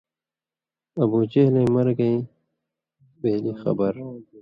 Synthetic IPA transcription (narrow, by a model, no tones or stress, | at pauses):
ɐbuːt͡ɕeːlẽːmɐɾɡɐĩ | beːlixɐ̰bɐɾ